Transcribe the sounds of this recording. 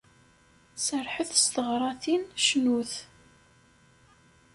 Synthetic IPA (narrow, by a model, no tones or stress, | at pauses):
səɾħəθst̪əʁɾˤɑθinʃnuθ